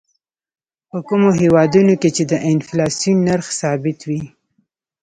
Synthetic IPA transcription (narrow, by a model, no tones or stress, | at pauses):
pəkumoɦewɑd̪unoket͡ʃed̪əʔɪnflɑsinːaɾxsɑbɪt̪wi